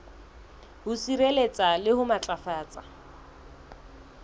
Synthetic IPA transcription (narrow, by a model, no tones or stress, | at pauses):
hʊsiɾelet͡sʼalɪhʊmat͡ɬʼafaːt͡sʼa